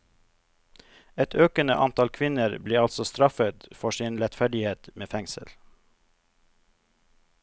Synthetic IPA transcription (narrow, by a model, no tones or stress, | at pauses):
ɛt̪ʰøːkənə̰ʔɑnt̪ʰɑlkʰʋɪnəɾbliːɑlsɔst̪ɾɑfət̪fɔʃɪnɾɛt̪fæɖɪheːt̪meːfɛŋsə̰l